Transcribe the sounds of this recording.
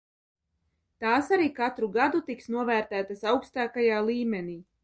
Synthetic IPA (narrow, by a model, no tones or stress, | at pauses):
t̪aːsaɾiːkat̪ɾuɡad̪ut̪iksnuɔvæːɾt̪æːt̪asawkst̪aːkajaːlˠiːmeniː